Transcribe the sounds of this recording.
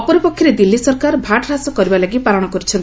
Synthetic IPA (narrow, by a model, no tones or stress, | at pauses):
pɔɾipɔkʰːjɔɾed̪ilːisɔɾkaɾbʱaʈɔɾasɔkɔɾibalaɡipalɔɽ̃ɔkɔɾit͡ʃʰɔn